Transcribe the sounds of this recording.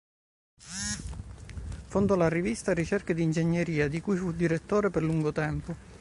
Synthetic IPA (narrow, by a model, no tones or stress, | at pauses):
fond̪olarivist̪arːit͡ʃerkad̪iːnd͡ʒeɲːeɾiːad̪ikujfud̪iɾet̪ːoːɾeprluŋɡot̪ɛmpʊ